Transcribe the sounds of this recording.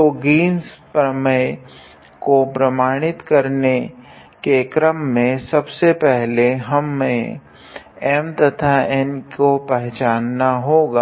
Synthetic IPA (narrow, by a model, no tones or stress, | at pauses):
toɡiːnspɾəməj | kopɾɐmaːɽ̃ɪt̪kɐɾne | kekɾəmːẽsɐbsepɛɦleɦɐmːẽ | ɛːmt̪ɐt̪ʰaɛnkopɛɦt͡ʃaːnːaɦoːɡaː